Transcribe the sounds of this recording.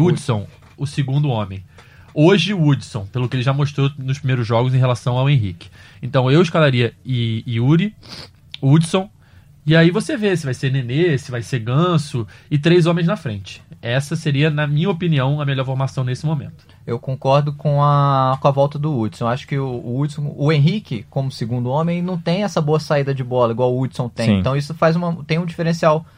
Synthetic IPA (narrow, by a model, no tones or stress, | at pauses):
ud͡ʒsõw̃ | ʊsɪɡũnd̪ʊõmẽj̃ | oʒɪuud͡ʒsõw̃pelʊkɪelɪʒamoʃt̪ɾonʊspɾimejɾʊzʒɔɡʊzẽɦelasɐ̃w̃awẽɦḭkɪ̥ẽnt̪ɐ̃w̃ewɪʃkalaɾiɐɪiuɾi | ud͡ʒsõw̃ | ɪaivosevesɪvajseɾnenesɪvajseɾɡɐ̃sʊɪt̪ɾejzõmẽj̃znɐfɾẽnt͡ʃɪ̥ɛsɐseɾiɐnɐmĩɲɐopiniɐ̃w̃ɐmeʎɔɾfoɾmasɐ̃w̃nesɪmomḛ̃nt̪ʊ̥ | ewkõkɔɾd̪ʊkõɐkõɐvɔwt̪ɐd̪ʊud͡ʒsõw̃aʃʊ̥kɪʊːudsõʊẽj̃ɦikɪkõmʊsɪɡũnd̪ʊõmẽj̃nɐ̃w̃t̪ẽj̃ɛsɐboɐsaid̪ɐd͡ʒɪbɔlɐiɡwawʊud͡ʒsõw̃t̪ẽj̃ẽt̪ɐ̃w̃isʊfajzũmɐt̪ẽj̃ũd͡ʒifeɾẽsiaw